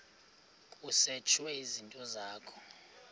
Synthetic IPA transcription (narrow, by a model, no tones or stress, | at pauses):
kʼuset͡ʃʰwɛizintʼɔzaːkʰɔ̥